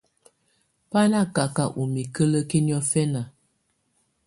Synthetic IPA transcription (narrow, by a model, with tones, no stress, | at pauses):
pa˦la˦ka˨ka˨ʔu˨mi˨kə˦lə˦ke˦ni˦ɔ˦fɛ˦na˨